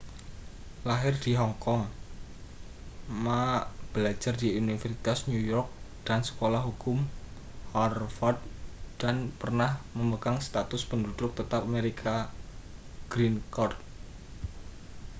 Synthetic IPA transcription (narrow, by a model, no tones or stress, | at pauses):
laɦɪrd̪̥iɦɔŋkɔŋ | mab̥lḁd͡ʒardiunifərsi̥t̪asnujɔrk̚ | d̥ansə̥kolahɦukʊm | hɔrfɔrd̪̚d̥anpərnahməməkaŋst̪at̪ʊspəndud̪ɾʊk̚t̪ət̪ap̚ameɾikʰa | ɡ̥ɾinkɔrt̪̚